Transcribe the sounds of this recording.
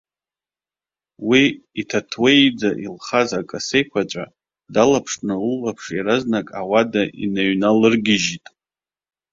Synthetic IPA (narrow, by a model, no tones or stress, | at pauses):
wiitʰatʰwejd͡zaʔilχazakʼase̞jkʷʰat͡ʃʷʼa̰ | dalapʰʂʼnɨulːapʰʂjaɾaznakʼawadaʔḭnaɥnalɨrɡʲɪʒitʼ